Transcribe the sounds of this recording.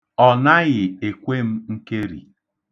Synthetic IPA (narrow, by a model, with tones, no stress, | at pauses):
ɔ˨na˦ɣɪ˨e˨kʷe˦m̩˦ŋ̩˦ke˦ɾḭ˨